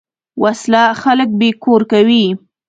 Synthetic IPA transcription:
wʔaslaxalək̚bekoɾkawi

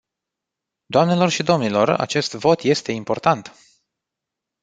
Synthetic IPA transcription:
d̪̥oamne̞lo̞rʃid̪o̞mnilo̞ra̰t͡ʃe̞st̪vo̞t̪je̞st̪e̞impo̞rt̪ant̪

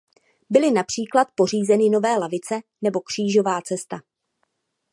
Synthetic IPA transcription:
bɪlɪnapr̝̥iːklat̪̚po̞r̝iːzɛnɪno̞vɛːlavɪt͡sɛnɛbo̞kr̝̥iːʒo̞vaːt͡sɛst̪a

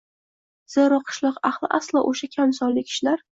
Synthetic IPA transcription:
z̥eɾɒqʰɨ̥ʃlˠɒqaχlˠɪʔaslˠaʔoʃakʲʰamsɒlːɪkʲʰɪ̥ʃlaɾ

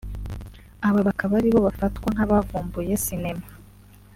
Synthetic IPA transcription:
aβaβakaβaɾiβo̞βafatkwaŋ̥aβavuːmbuje̞sinema

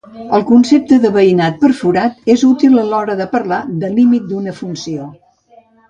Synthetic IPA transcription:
əlˠkunsep̚t̪əðəβəinat̪̚pəɾfuɾat̪ezut̪ilˠəlɔɾəðəpəɾlad̪əlimit̪̚d̪unəfunsio

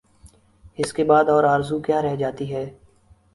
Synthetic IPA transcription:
ɪskebaːd̪ɔːɾaːɾzukjaːɾɛɦd͡ʒaːt̪iɦɛː

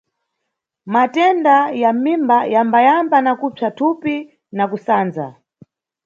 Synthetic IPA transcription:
matɛndajamimbajambajambanakub͡ʐatʰupi | nakusaːnd͡za̰

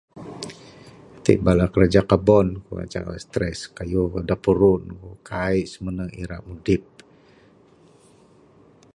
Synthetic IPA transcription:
t̪ḭʔbalakəɾad͡ʒakabɔnkṵa̰t͡ʃa̰ast̪ɾɛskajukdapuɾunkukʰaiʔsəmənəḭɾa̰ʔmudɪp̚

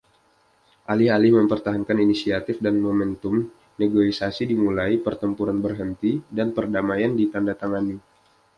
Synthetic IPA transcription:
ʔalɪhalɪhməmpərt̪aɦankaninisiat̪ɪfdanmomɛnt̪ʊm | neɡoisasidimulaipərt̪əmpuɾanbərɦənt̪idanpərdamajandit̪andat̪aŋani

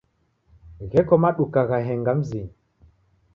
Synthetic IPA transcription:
ɣɛkɔmaɗukaɣaɦɛŋɡam̩ziɲ

